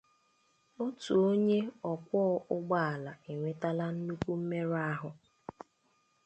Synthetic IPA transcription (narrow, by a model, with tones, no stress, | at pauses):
o˦tu˨o˦ɲe˦ɔ˨kʷɔ˦ʊ˦ɡ͡ba˦a˨la˨e˨ŋʷe˨ta˦la˦n̩˦nu˦kʷu˦m̩˦me˦ɾa˦ɦʊ˨